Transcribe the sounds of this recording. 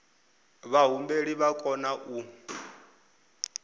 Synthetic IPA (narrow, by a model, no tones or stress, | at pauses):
βaɦumbeɺiβakʼɔnaʔu